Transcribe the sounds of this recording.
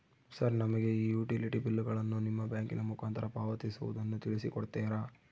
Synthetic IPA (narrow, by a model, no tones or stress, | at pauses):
sɐɾnɐmɐɡe̞iːjuːʈiliʈibilːuɡɐɭɐnːunimːɐbjaːŋkinɐmukʰaːnt̪ʰɐɾɐpaːʋɐt̪isuʋṵd̪ɐnːut̪iɭisikɔɽt̪eːɾaː